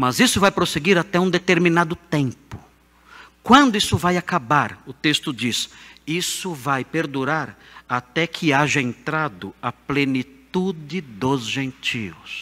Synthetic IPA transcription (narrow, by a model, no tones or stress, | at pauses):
mɐzisʊvajpɾoseɡiɾat̪ɛũd̪et̪eɾminad̪ʊt̪ẽmpʊ̥ | kwɐ̃nd̪ʊisʊvajakabaɾʊt̪est̪ʊd͡ʒisisʊvajpeɾd̪uɾaɾat̪ɛkʰɪaʒɐẽnt̪ɾad̪ʊɐplenit̪ud͡ʒɪd̪ʊzʒẽnt͡ʃiws